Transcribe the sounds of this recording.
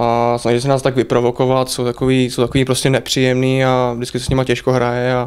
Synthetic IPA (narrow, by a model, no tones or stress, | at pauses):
asnaʒisɛnaːst̪aɡvɪpɾovo̞kovat̪sowt̪akoviːsowt̪akoviːpɾoscɛnɛpr̝̥ijɛmniːavdɪt͡skɪsɛsɲɪmacɛʃkoɦɾajɛa